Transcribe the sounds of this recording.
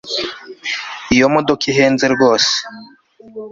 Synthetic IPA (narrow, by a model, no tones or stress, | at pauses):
ijomodokiɦeːnzeɾɡo̞ːse̥